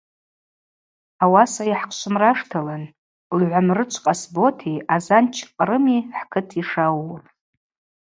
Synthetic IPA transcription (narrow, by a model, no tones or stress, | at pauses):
awasaiħqʰʃʷʰɨmraʂtʰalan | lʕʷamrɨt͡ʃʷʰʼqʼasbo̞tʰiazant͡ʃʰqʼrɨmiħkʰɨtʰiʂawrʼ